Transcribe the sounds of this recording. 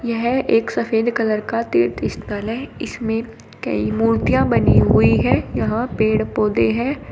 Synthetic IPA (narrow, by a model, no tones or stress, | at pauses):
jɛɦɛʔeːksɐfeːd̪kɐləɾkat̪ḛːɾt̪ɪst̪nəlɦɛɪsmẽ | kɐ̰imuːɾt̪ijãbɐniɦʊiɦɛjɐɦãpeːɽpoːd̪eɦɛː